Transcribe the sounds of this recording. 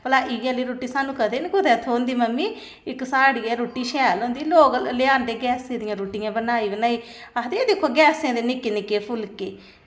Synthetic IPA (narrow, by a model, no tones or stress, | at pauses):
pəlaːʔɪjaliːɾoːʈːiːsaːnũːkəd̪eːnɡʊd̪ɛːt̪ʰoːnd̪iːməmːiː | ɪksaːɽiːɛːɾoːʈːiːʃɛːlõːnd̪iːloːklɪaːnd̪eːɡɛːsẽːd̪ɪjãːɾoːʈɪjãːbənaːiːbənaːiːad̪ed̪ɪkʰːoːɡɛːsẽːd̪eːnɪkːeːnɪkeːpʰʊlkeː